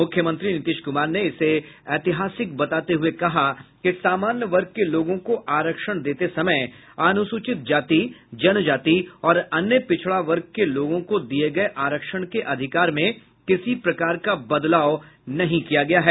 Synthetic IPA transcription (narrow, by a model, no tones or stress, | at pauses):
mʊkʰjəmə̃nt̪ɾinɪt̪ɪːʃkʊmaːɾneɪseɛːt̪ɪɦaːsɪkbɐt̪aːt̪eɦʊekɐɦakesaːmaːnjəʋɐɾɡ̚keloːɡõkoʔaːɾəkʃəɽ̃d̪eːt̪esɐməɪ | aːnʊsut͡ʃɪt̪̚d͡ʒaːt̪id͡ʒɐnd͡ʒaːt̪iɔːɾɐnjəpɪt͡ʃʰɭaʋɐɾɡ̚keloːɡõkod̪ieɡɐeʔaːɾəkʃəɽ̃keʔɐd̪ʱɪkaːɾmẽ | kɪsipɾɐkaːɾkabɐd̪laːonɐɦĩkijaɡɐjaɦɛː